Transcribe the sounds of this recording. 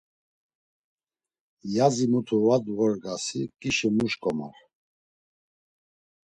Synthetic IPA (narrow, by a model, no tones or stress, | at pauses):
jazimut̪ʰuvad̪vɔɾɡasikʼiʃimuʃkʼɔma̰ɾ